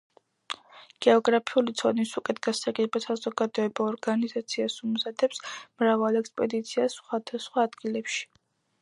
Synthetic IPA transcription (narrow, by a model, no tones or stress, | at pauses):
ɡ̥ɛɔɡɾapʰiulit̪sʰɔnisukʼɛt̪ɡasaɡɛbasazɔɡad̪ɔɛbɔːɾɡanizat̪sʰiasumzad̪ɛpsmɾavalˠɛkspʼɛd̪it̪sʰiasχwad̪asχwaːd̪ɡilɛpʃi̥